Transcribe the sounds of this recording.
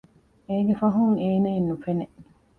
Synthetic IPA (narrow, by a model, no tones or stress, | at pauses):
eːɡefɐɦuŋeːnɐinːufeneʔ